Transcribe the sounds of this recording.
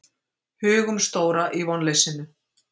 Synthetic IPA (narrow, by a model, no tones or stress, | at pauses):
hʏːɣʏmst̪oːwɾaʔivɔnlejsɪnːʏ